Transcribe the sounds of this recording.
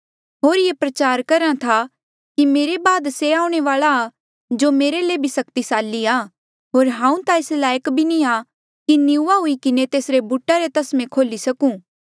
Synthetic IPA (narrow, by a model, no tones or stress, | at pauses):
ɦoːɾjepɾɐt͡ʃaːɾkɐɾãt̪ʰa | kimeːɾebaːd̪seaːʊ̃ɽ̃eʋaːɭaː | d͡ʒomeːɾelebʱisɐkt̪isaːlːiaː | ɦoːɾɦãːũt̪aɪslaːjəkbʱinia | kinɪuʋaɦʊikɪnet̪eːsɾebuʈːaɾet̪ɐsmẽkʰoːlisɐkũː